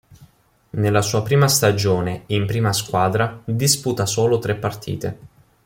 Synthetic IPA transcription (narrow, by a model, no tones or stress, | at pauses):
nelːasuːapɾiːmast̪ad͡ʒoːneimpɾiːmaskwaːd̪ɾad̪isput̪asoːlot̪ɾepːart̪ʰḭːt̪e